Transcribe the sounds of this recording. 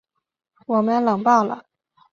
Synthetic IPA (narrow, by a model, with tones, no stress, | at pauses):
wɔ˨˩mə˦nlɤ˨˩ŋpɑ˥˩ʊlə̰˩